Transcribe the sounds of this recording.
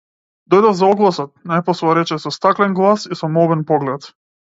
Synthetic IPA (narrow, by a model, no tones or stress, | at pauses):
d̪ɔjd̪ɔvzaɔɡlˠasɔt̪̚najpɔsvaɾɛt͡ʃɛsɔst̪aklɛnɡlˠasisɔmɔbɛnpɔɡlɛt̪